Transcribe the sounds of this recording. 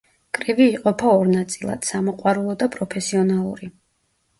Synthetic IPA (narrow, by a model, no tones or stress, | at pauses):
kʼɾiviːqʼɔpʰaɔɾnat̪sʼilˠa̰d̪̥samɔqʼwaɾulˠɔd̪apʼɾɔpʰɛsiɔnalˠṵɾi